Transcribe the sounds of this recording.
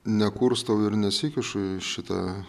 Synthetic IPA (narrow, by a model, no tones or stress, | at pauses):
nʲɛkuːɾst̪ɐwɪɾnʲɛsʲɪkʲɪʃʊʃʲɪt̪ɐ̰